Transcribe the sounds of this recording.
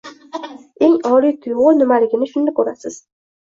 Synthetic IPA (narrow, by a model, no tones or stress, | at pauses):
e̞ŋɒɾijt̪ʰʊjʁʊnʊmalɪɡʲɪnɪʃʊnd̪akʰʲɵɾasɪz̥